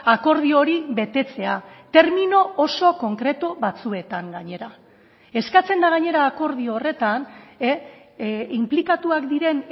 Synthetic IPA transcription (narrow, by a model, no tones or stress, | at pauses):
ako̞ɾð̞io̞ɾiβe̞t̪e̞t͡se̞at̪e̞ɾmino̞ːso̞ko̞ŋkɾe̞t̪uβat͡sue̞t̪aŋɡaɲe̞ɾa | e̞skat͡se̞nd̪aɣ̞aɲe̞ɾaːko̞ɾð̞ioore̞t̪ane | implikat̪uakd̪iɾe̞n